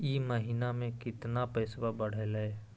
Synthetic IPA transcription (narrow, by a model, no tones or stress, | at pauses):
iːməɦinamẽkɪt̪napəɪsbabəɽ̤ele